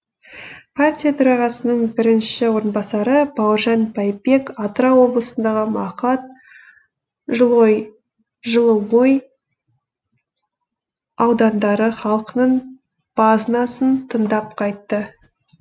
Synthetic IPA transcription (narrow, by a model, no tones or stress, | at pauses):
pʰartʲijat̪ʰʊɾɑʁɑsənəɴbɪɾɪnʃɪwo̞ɾənbɑsɑɾəbɑwəɾʒɑnbʰɑjbe̞kɑt̪ɾɑwo̞blˠəsənd̪ɑʁəmɑqɑt̪̚ | ʒəlˠoj | ʒəlˠəwoj | ɑwd̪ɑnd̪ɑɾəχɑlˠqənəɴ | b̥ɑznɑsənt̪ʰənd̪ɑp̚qʰɑjt̪ːə